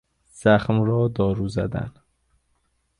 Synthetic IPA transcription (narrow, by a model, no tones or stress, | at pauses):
z̥æxmɾɒːd̪ɒːɾuːzæ̰d̪æ̰n